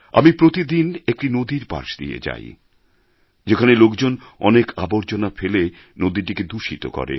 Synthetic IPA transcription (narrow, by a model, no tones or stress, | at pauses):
a̰mipɾot̪id̪inek̚ʈinod̪iɾba̰ɾʃd̪ḭḛd͡ʑa̰j | d͡ʑekʰanelokd͡ʑonɔ̰nekʰaboɾt͡ɕonafele | nod̪iʈ̬iked̪uʃit̪o̰kɔ̰ɾḛ